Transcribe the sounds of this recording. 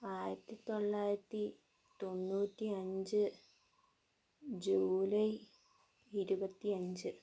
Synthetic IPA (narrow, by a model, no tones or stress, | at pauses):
aːjɐt̪ːit̪o̞ɭːaːjɾɐt̪ːi | t̪o̞nːuːtʲːiɐɲd͡ʑɨ | d͡ʑuːlɐj | iɾubɐt̪ːiɐɲd͡ʑɨ